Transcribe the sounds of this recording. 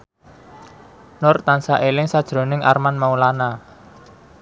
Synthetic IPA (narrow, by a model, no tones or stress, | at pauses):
nʊrt̪ansaʔelɪŋsad̥ʒ̥ɾo̤nɪŋʔa̰rmanmaulana